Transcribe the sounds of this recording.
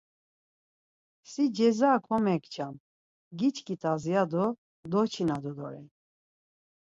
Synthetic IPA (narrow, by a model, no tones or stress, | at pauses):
sid͡ʒɛzaːkʰɔmɛkt͡ʃʰam | ɡit͡ʃkʰʼit̪ʰazijad̪ɔ | d̪ɔt͡ʃʰinad̪ɔd̪ɔ̰ɾɛn